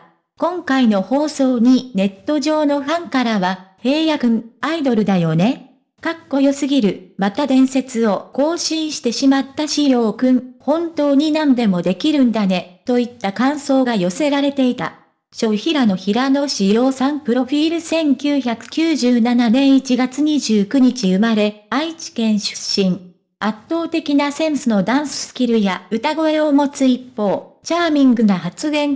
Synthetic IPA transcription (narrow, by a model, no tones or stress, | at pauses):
kõ̞ŋkaino̞ho̞ːso̞ːɲ̟ine̞t̪ːo̞ʑo̞ːno̞ɸãŋkaɾaβahe̞ːjakɯ̟̃aid̪o̞ɾɯ̟d̪ajo̞ne̞ | kakːo̞jo̞sɨɡʲiɾɯ̟mat̪ad̪ẽ̞ɰ̃se̞t͡sɨo̞ko̞ːɕĩɰ̃ɕi̥t̪e̞ɕimat̪ːaɕijo̞ːkɯ̟̃ɴhõ̞nt̪o̞ːɲ̟inãnd̪e̞mo̞d̪e̞kʲiɾɯ̟̃nd̪ane̞t̪o̞it̪ːakãɰ̃so̞ːɡajo̞se̞ɾaɾe̞t̪e̞it̪a̰ | ɕo̞çiɾano̞çiɾano̞ɕijo̞ːsãmpɯ̟ɾo̞ɸʲiːɾɯ̟sẽ̞ŋkʲɨːçakɯ̟̥kʲɨːʑɨːnananẽ̞ɰ̃it͡ɕiɡat͡sɨɲ̟iʑɨːkɯ̟ɲ̟it͡ɕiɯ̟maɾe̞ait͡ɕi̥kẽ̞ɰ̃ɕɨ̥ɕĩŋ | at̪ːo̞ːt̪e̞kʲinasẽ̞ɰ̃sɨno̞d̪ãɰ̃sɨ̥sɨ̥kʲiɾɯ̟jaɯ̟t̪aɡo̞e̞o̞mo̞t͡sɨipːo̞ːt͡ɕaːmʲĩŋɡɯ̟nohat͡sɨɡẽ̞ŋ